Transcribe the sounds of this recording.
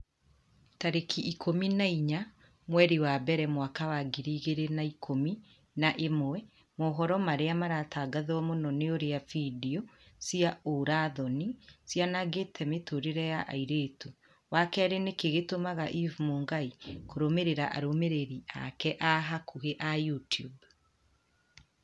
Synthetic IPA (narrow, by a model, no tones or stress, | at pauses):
taɾekʰiʔikʰominaiɲa | mwɛɾiwabɛɾɛmwakawaɡiɾiːɣeɾenaikʰomi | naʔemwɛ | mɔːɦɔɾɔmaɾeamaɾatʰaɡaðɔmonɔneoɾeafidiɔsiaoɾaðɔnisjanaɣetʰɛmetoɾeɾɛjaʔa̰iɾetu | wakɛaɾenekeɣetomaɣaʔivumoːŋɡaikoɾomeɾeɾaʔa̰ɾomeɾeɾiʔa̰kɛʔaɦakuɣeʔajutjub